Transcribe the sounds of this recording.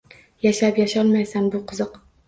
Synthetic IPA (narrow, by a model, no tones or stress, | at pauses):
jaʃapjaʃɒlmajsanbʊqʰʊzɨq